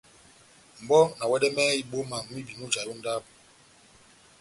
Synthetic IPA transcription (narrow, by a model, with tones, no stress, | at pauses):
m̩˨bɔ˦na˨wɛ˦dɛ˦mɛ˦i˦ɓo˦ma˨ŋmi˦bi˨nu˦d͡ʒa˨ju˦n̩˦da˦p̚